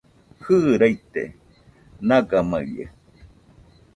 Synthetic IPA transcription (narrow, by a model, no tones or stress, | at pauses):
hɨːɾait̪ḛ | naɡama̰jə̰